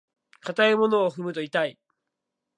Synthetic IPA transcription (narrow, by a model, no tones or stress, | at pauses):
kat̪aemo̞no̞ːɸɯ̟mɯ̟t̪o̞it̪ai